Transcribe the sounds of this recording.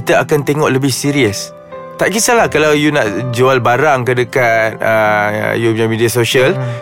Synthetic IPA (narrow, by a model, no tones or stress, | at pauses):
it̪əakant̪eŋɔʔləbɪhsiɾiəs | t̪aʔkisalahkalawjunaʔd͡ʒualbaɾaŋkədəkat̪̚ə̰juɲamidiasoʃəl